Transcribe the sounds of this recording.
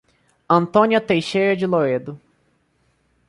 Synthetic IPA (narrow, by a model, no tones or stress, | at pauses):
ɐ̃nt̪õniɐt̪ejʃejɾɐd͡ʒɪloɾed̪ʊ